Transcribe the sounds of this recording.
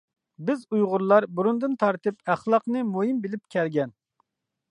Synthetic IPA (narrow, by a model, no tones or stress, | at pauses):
bɪzujʁʊɾlˠɑɾbuɾund̪ɨnt̪ʰɑɾt̪ɨpæχlˠɑqnɨmujimbɪlɪp̚kʲʰɛɾɡʲɛn